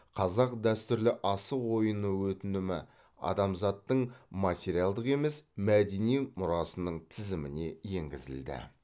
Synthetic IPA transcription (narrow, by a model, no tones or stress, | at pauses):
qʰɑzɑqd̪æst̪ʏɾlɪʔɑsəqwo̞jənəwɵt̪ɪnd̪ɪmɪ | ɑ̰d̪ɑmzɑt̪ːəɴmat̪ʲeɾijalˠd̪əqe̞me̞smæd̪e̞nijmʊɾɑsənəɴt̪ʰɪzɪmɪne̞je̞ŋɡʲɪzɪ̰ld̪ɪ̰